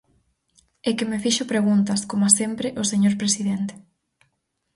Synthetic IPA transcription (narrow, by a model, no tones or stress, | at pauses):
ekɪmefiʃʊpɾeɣ̞unt̪ɐskomʊasempɾeʔʊseɲoɾpɾesiðent̪e̥